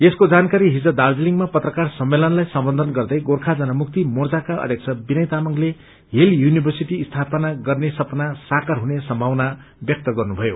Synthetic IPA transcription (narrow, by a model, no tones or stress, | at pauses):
eskod͡zankaɾiɦid͡zʌd̪ard͡ziliŋɡmapʌt̪rʌkarsʌmːelʌnlajsʌmbʌnd̪ʱʌnɡʌrd̪ʌjɡorkʰad͡zʌnʌmuk̚t̪imord͡zakaʌ̰d̪ʱjʌk̚t͡sʰʌbinʌjt̪amʌŋle | ɦeljunibʱʌrsiʈiːst̪ʰapʌnaɡʌrnesʌpnasakʌrɦunesʌmbʱawna | bjʌk̚t̪ʌɡʌrnubʱʌjo